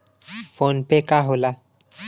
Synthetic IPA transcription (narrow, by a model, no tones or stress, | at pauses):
fonpekaɦola